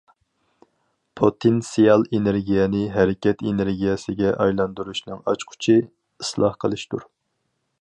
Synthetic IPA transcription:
pʰot̪ʰensijɑlˠeneɾɡʲijɛnɪɦɛɾɪkʲɛt̪eneɾɡʲijɛsɪɡʲɛʔɑjlˠɑnd̪uɾuʃnɨŋɑt͡ʃqʰʊ̥t͡ʃʰɪ | islˠɑ̰hqʰəlˠɨʃt̪uɾ

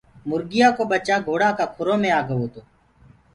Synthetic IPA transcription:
mʊɾɡɪjaːkoːbət͡ʃaːɡʱoːɽaːkaːkʰʊɾõːmẽːaːɡəʋoːt̪oː

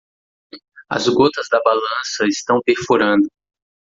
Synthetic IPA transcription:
ɐ̰zɡot̪ɐzd̪ɐbalɐ̃sɐɪst̪ɐ̃w̃peɾfuɾɐ̃nd̪ʊ

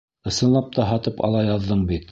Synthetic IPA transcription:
ɤ̆sɤ̆nlˠɑp̚t̪ɑɦɑt̪ɤpɑ̰lˠɑjɑðːɤɴbit̪

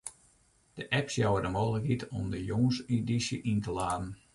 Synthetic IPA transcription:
d̥əʔɛpsjawədəmoːələkɦitɔ̰mdəjoŋsidisjəʔintəlaːdn̩

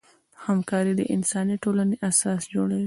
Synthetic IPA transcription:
hamkɑɾid̪ə̰ʔɪnsɑniʈolaneʔasɑsd͡ʒoɽawi

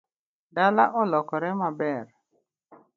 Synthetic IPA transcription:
dalaʔɔlɔkɔɾɛmabɛɾ

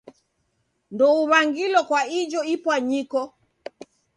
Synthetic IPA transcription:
ndɔuβaŋɡilɔkwaid͡ʒɔipwaɲikɔ

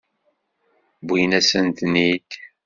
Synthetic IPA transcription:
bijnæsənt̪nid̪

